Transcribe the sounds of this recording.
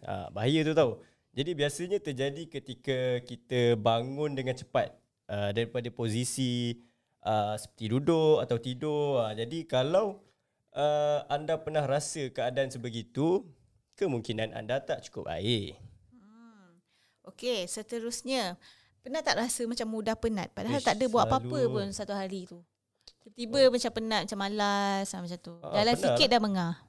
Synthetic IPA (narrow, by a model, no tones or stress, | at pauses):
a̰baɦajət̪ut̪au | d͡ʒadibiasəɲat̪ərd͡ʒadikət̪ikəkit̪əbaŋʊ̃ndəŋant͡ʃə̥pat̪̚ | ədaɾipadapozisi | ʔəsə̥pərt̪idudʊʔat̪awt̪idʊəd͡ʒadikalaw | ʔəandapərnahrasəkəadaansəbəɡit̪u | kəmuŋkinanʔa̰ndat̪aʔt͡ʃu̥kʊp̚a̰ɪʔ | ʔokesət̪əɾʊsɲə̃ | pənat̪ːaʔɾasəmat͡ʃamːudahpənat̪̚padaɦalt̪aʔdəbuaʔpaapəpʊnsat̪uɦaɾit̪u | it̪ibəmat͡ʃampənat̪mat͡ʃamalasamat͡ʃat̪ṵdalasikɪt̪̚daməŋah